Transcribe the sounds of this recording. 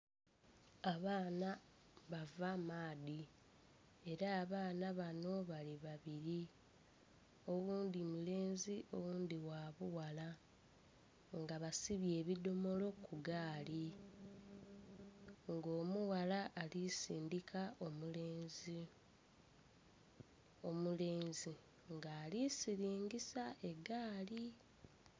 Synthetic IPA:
aβaːnaβavamaːði | e̞ɾaːβaːnaβano̞βaliβaβiɾi | o̞wuːnd̪imule̞ːnziʔo̞wuːnd̪iwaːβuwala | ŋɡaβasiβje̞ːβido̞mo̞lo̞kʰuɡaːli | ŋɡo̞ːmuwalaʔːlisiːndikʰao̞muleːnzi | omule̞ːnzi | ŋɡaːlisiɾiːŋɡisae̞ɡaːli

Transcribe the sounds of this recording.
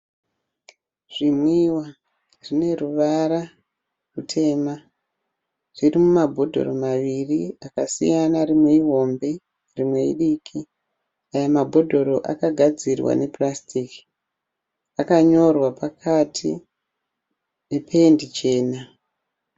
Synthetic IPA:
ʐ̥imwiwa | ʐine̞ruʋaɾa | rutʰe̞ːma | ʐ̥irimumabʱo̞dʱo̞̰ro̞maʋiriakasḭjanaɾimwe̞iɦo̞mbe̞ | rimwe̞ḭɗikʰi | ajamabʱo̞dʱo̞ɾo̞ʔa̰kaɡʱad͡zirwa̰ne̞plastʰiki̥ | akaɲo̞rwapakʰatʰi | ne̞pʰendit͡ʃe̞ːna

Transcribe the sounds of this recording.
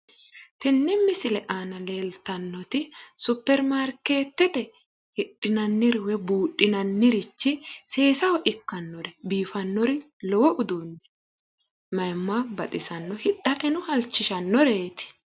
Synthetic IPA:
t̪ɛnːɛmːɪsɪlɛʔaːnɐle̞ːlt̪ɐnːɔt̪ɪsʊpːɛɾmaɾkːe̞ːt̪ːɛt̪ɛ | hɪɗɪnɐnːɪɾɪwɛbuːɗɪnɐnːɪɾɪt͡ʃːɪse̞ːsɐwɔʔɪkːɐnːɔɾɛbiːfɐnːɔɾɪ | lɔwɔʔʊd̪uːnːɛ | mɐjmːabɐt̪ʼɪsɐnːɔhɪᶑːɐt̪ɛnʊhɐlt͡ʃːɪʃɐnːɔɾe̞ːt̪ɪ̥

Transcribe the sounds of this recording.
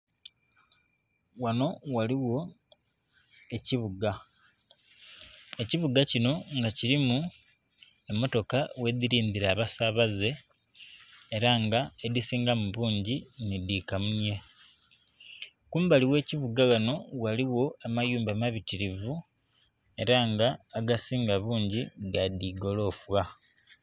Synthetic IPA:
wano̞waliwo̞ | eciβuɡa | eciβuɡacino̞ŋɡaciɾimu | emːo̞to̞kawe̞ðiɾiːndiɾaːβasaβaze̞ | ɾaŋɡaedisiːŋɡamuβuːɲɟinidiːkamuɲe̞ | kuːmbaliwe̞ːciβuɡaɡano̞waliwo̞amajuːmbamaβitiɾivu | e̞ɾaŋɡaːɡasiːŋɡaβuːɲɟiɡadiɡo̞lo̞ːfwa

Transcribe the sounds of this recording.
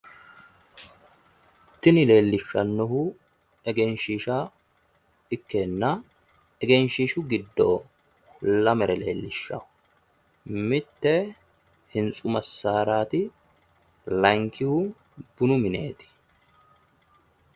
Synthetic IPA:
t̪ːɪnɪle̞ːlːɪʃːɐnːɔhʊ | ɛɡɛnʃiːʃaː | ɪkːenːɐ | ɛɡɛnʃiːʃʊɡɪd̪ːo̰ː | lɐmɛɾʔɛle̞̰ːlːɪʃːɐ̰ʊ | mɪt̪ːɛ | hɪnsʼʊmɐsaːɾaːt̪ɪ | lɐŋkːɪhʊ | b̥ʊnʊmɪne̞̰ːt̪ɪ̥

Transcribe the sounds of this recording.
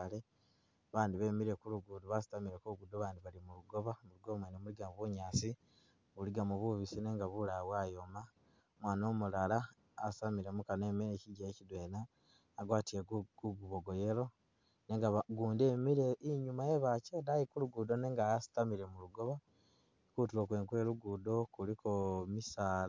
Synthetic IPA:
le | βaːndiβe̞ːmiɾe̞kuluɡudoβasi̥tamiɾekuuɡudoβaːndiβalimuluɡo̞βamuluɡo̞mweːnemuliɡamuβuɲaːsi | βuliɡamuβuβisine̞ːŋɡaβulawaːjo̞ma | mwaːno̞ːmulalaː | samiɾe̞mukane̞meneciɟaecidwe̞ːnaː | ɡwaːtieɡɡ̥uɡuβoɡoje̞lo̞ | ne̞ːŋɡaɡuːndeːmiɾeiɲumaje̞βacedajikuluɡuːdo̞ne̞ːŋɡaasi̥tamiɾe̞muluɡo̞βa | kutilokwe̞ːŋkwe̞ːɾuɡuːdo̞kulikomisaː

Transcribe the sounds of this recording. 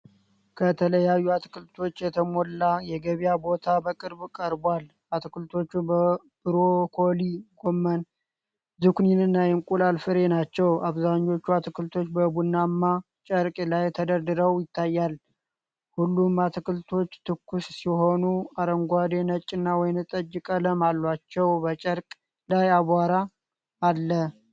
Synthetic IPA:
kʰət̪ʰələjajːuat̪kɨlt̪ʰo̞t͡ʃːjɛt̪ʰəmolːajɛɡəβijabo̞t̪ʰabəkʼɨɾbkʼəɾbal | at̪kɨlt̪ʰo̞t͡ʃːub | b̥ɨɾokʰo̞liɡ̥o̞mːən | zɨkʷninɨnːajɛmkʼulalfɨɾe̞nat͡ʃːɛwaβzaɲːo̞t͡ʃːuat̪ɨkɨlt̪ʰo̞t͡ʃːbəbunːamːa | t͡ʃʼəɾkʼlajt̪ʰəd̪əɾd̪ɨɾəwjɪt̪ʰːajːal | hulːumat̪ʰɨkɨlt̪ʰo̞t͡ʃːt̪ʰɨkːussiɦo̞nuaɾəŋɡʷad̪enət͡ʃʼːɨnːawɔjnɨt̪ʼəd͡ʒɪkʼələmalːat͡ʃːɛwbət͡ʃʼəɾkʼ | lajaβʷaɾaː | lːə

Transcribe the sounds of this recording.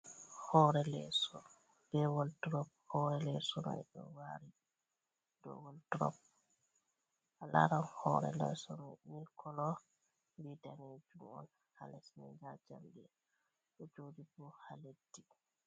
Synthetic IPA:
hɔɾɛlɛsɔ | b̥ɛwɔltɾɔp̚hɔɾɛlɛsɔna̰ɗɔ̰waɾi | dɔ̰wɔltɾɔ̰p̚ | ʔala̰ɾanhɔɾɛ̰lɛ̰sɔnamilkɔlɔ | mbidanɛd͡ʒumɔ̰n | ha̰lɛsnɛ̰d͡ʒad͡ʒa̰mdɛ | ɗɔd͡ʒodibuhaledːi

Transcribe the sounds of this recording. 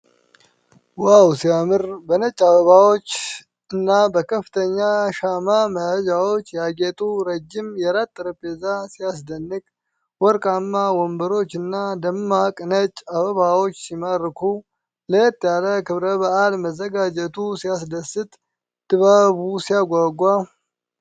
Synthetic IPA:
wawsijamɨɾbənət͡ʃʼːaβəβawo̞t͡ʃː | ɨnːabəkʰəfːɨ̥t̪ʰəɲːaʃamaməhəd͡ʒawo̞t͡ʃːjaɡet̪ʼuɾəd͡ʒːɪmjɛɾat̪ʼːɨɾəpʼezasijas̬d̪ənːɨkʼ | wɔɾkʼamːawɔmbəɾo̞t͡ʃːɨnːad̪əmːakʼnət͡ʃʼaβəβawo̞t͡ʃːsiməɾːkʰu | ləjɛt̪ʼːjaləkɨβɾəβaʔalməzːəɡad͡ʒɛt̪ʰusijasd̪əsɨt̪ʼ | d̪ɨβaβusijaɡʷaɡʷːa

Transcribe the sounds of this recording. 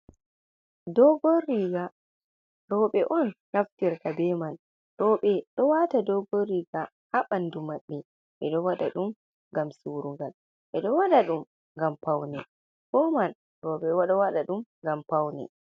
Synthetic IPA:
dɔɡɔriɡa | ɾɔːɓɛʔɔnːaftiɾkabɛman | ɾɔːɓɛɗɔwatadɔɡoɾiɡa | haɓandumaɓːɛ | ʔɛɗɔwaɗa̰ɗum | ɡamsuɾuŋɡal | ʔɛɗɔwaɗaɗum | ŋɡampawnɛ | kɔman | ɾɔːɓɛwaɗawaɗaɗumŋɡampawnɛ̰

